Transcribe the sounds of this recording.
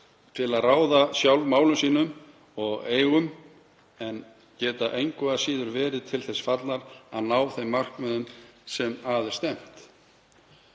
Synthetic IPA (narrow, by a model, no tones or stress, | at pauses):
t̪ʰɪlaðraːwðasjawlmaːwlʏmsiːnʏm | ɔɣeːjɣʏm | ɛn | cɛːt̪aʔejŋkʏasiːðʏɾvɛːɾɪðt̪ʰɪlθɛsfat̪laɾaðnaːwθejmːar̥kmœðʏmsɛmaːðɪ̥st̪ɛm̥t̪